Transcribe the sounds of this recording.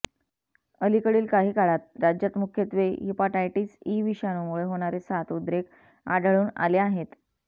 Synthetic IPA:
əlikəɽiːlkaɦiːkaɭat̪̚ɾad͡ʑjat̪mukʰjət̪ʋeɦipaʈajʈiːsiʋiɕjanomuɭeɦoɽ̃aɾesat̪ud̪ɾek | a̰ɖʱəɭuːna̰leaɦet̪

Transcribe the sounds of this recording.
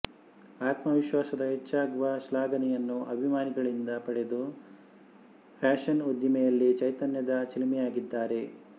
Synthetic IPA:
aːt̪mɐʋiʃʋaːsɐd̪ɐɦet͡ʃːaːɡuʋɐʃlaːɡɐnɛjɐnːuʔɐbʱimaːniɡɐɭind̪ɐpɐɽe̞d̪u | pʰaːʃɐnod̪jimɛjɐlːit͡ʃɐjt̪ɐnjɐd̪ɐt͡ʃɐlimɛjaːɡid̪ːaːɾe̞

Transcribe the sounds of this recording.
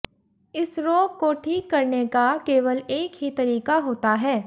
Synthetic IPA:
ɪsɾoːɡ̚koʈʰiːkːɐɾnekakeːʋəleːkɦit̪ɐɾiːkaɦoːt̪aɦɛː

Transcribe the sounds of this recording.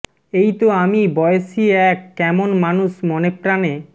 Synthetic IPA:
ejt̪oamibɔjosiɛkːɛmonmanuʃmɔnepɾane

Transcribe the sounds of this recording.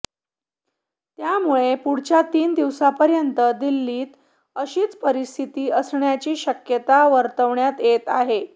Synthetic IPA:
t̪jamuɭepuɽ̤t͡ɕat̪iːnd̪iʋsapəɾjənt̪əd̪ilːiːt̪ | əɕiːt͡spəɾist̪ʰit̪iːəsɳjat͡ɕiːɕəkjət̪aʋəɾt̪əʋɳjat̪jet̪aɦe

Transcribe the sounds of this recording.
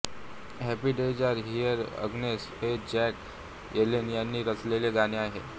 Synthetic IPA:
ɦɛpiɖed͡ʑəɾɦijəɾə̰ɡneshed͡ʑɛk | jʔelenijanːiːɾəsleleɡaneaɦḛ

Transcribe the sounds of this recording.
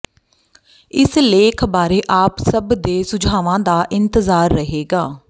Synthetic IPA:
ɪsleːkʰbaːɾeːʔaːpsəbd̪eːsʊd͡ʒʱaːʋãːd̪aːʔɪnt̪əzaːɾːəɦeːɡaː

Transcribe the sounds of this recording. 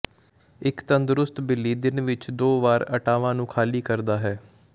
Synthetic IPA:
ɪkt̪ənd̪ɾʊst̪bɪlːiːd̪ɪnʋɪt͡ʃd̪oːʋaːɾə̰ʈaːʋãːnũːkʰaːliːkəɾd̪aːɦɛː

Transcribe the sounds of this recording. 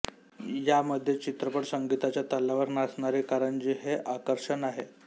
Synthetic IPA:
jaməd̪ʱːjet͡ɕit̪ɾəpəɽsəŋɡit̪at͡ɕjat̪əlːaʋəɾnasɳaɾekaɾəɳd͡ʑiɦeʔakəɾʂənaɦe

